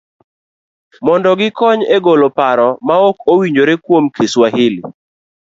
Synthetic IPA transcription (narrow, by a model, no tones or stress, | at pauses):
mɔndɔɡɪkɔɲeɡolopaɾɔmaokowiɲd͡ʒoɾekwomkʰeswaɦɪlɪ